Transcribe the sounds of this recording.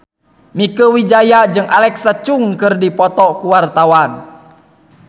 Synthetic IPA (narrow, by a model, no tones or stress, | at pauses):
mikəwid͡ʒajad͡ʒɨŋʔalɛksat͡ʃuŋkɨrdipɔt̪ɔkuwart̪awan